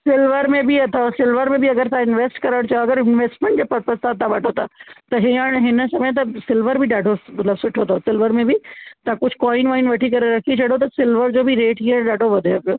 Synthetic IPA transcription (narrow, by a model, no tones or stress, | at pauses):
sɪlʋəɾmẽbiɐt̪ʰosɪlʋəɾmẽbɪɐɡəɾt̪ãɪnʋeːsʈkɐɾəɽ̃t͡ɕaoɐɡəɾɪnʋeːsʈmẽɳʈd͡ʑeːpɐpɐst̪aːd̪̚t̪ʰːãʋɐʈʰot̪ʰaːt̪ɐɦiəɽ̃ɦɪnə̆sɐmẽt̪̬ɐsɪlʋəɾbʱɪɗaːɖʱomɐt̪ləbsʊʈʰot̪ʰosɪlʋəɾmẽbɪt̪ãkʊd͡ʑʱɪ̥kɔːɪnʋaːɪnʋɐʈʰikɐɾeɾɐkʰit͡ɕʰɐɽot̪̬ɐsɪlʋəɾd͡ʑoːbʱɪɾeːʈɦiəɗaːɖʱoʋɐd̪ʱojopɪjoː